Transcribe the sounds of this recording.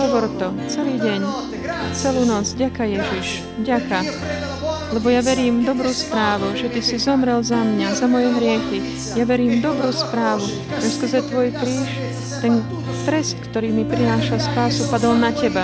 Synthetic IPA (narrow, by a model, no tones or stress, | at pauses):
ɦɔʋɔɾt̪ɔ | t͡sɛliːɟɛɲ | t͡sɛluːnɔd͡zvɟakajɛʒiʃ | vɟaka | lɛbɔjaʋɛɾiːmd̪ɔbɾuːspɾaːʋuʒɛt̪isizɔmɾɛlzamɲazamɔjɛɦɾɪɛxi | jaʋɛɾiːmd̪ɔbɾuːspɾaːʋu | ʒɛskr̩zɛt̪ʋɔjkɾiːʃ | t̪ɛn | t̪ɾɛst̪kt̪ɔɾiːmipɾinaːʃalspaːsupad̪ɔlnacɛba